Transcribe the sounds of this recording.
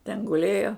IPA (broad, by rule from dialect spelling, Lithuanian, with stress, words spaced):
tʲɛn ɡʊˈlʲeːjoː